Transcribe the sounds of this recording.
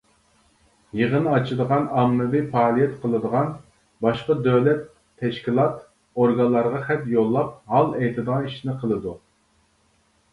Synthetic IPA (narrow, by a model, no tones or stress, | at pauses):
jeʁənɨɑt͡ʃʰid̪əʁɑnɑmːɨvipɑːlˠijɛt̪qʰəlˠɨd̪əʁɑn | bɑʃqɑd̪øwlɛt̪ʰː | ɛʃkʲilˠɑt̪ | oɾɡɑnlˠɑɾʁɑχɛt̪jolˠːɑp̚hɑlˠɛjt̪ʰɨd̪əʁɑniʃnɪqʰəlˠɨd̪u